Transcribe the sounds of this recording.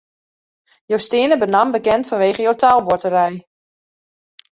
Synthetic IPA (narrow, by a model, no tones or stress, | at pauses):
jowstɪənəbənambəkɛntfɔnʋeːχəjowtalˠʋotəɾɛj